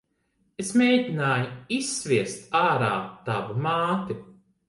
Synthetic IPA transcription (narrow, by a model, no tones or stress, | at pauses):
esmʲeːjdʲinaːjuisːvʲiɛst̪aːɾaːt̪avumaːt̪i